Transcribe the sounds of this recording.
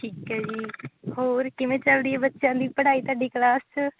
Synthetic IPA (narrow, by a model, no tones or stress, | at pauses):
ʈʰiːkɛːd͡ʒiːhoːɾkɪʋẽːt͡ʃəlɽiːɛbətːʃjãːd̪iːpəɽaːiːt̪aːɖiːklaːst͡ʃ